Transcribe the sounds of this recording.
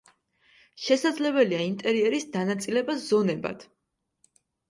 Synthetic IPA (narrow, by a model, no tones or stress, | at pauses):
ʃɛsad̪zlɛbɛliaint̪ʼɛɾiɛɾisd̪anat̪sʼilɛbasz̥ɔnɛba̰d̪̥